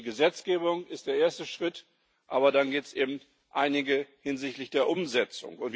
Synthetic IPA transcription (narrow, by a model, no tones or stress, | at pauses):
ɡəzɛt͡sɡ̥eːbʊŋɪstd̥eːɐeːɐstəʃʁ̥ɪt | ʔaːβɐdanɡeːp̚tsʔeːbm̩t | ʔaɪnɪɡəhɪnzɪçtlɪçd̥eːɐʔʊmzɛt͡sʊ̰ŋʊntv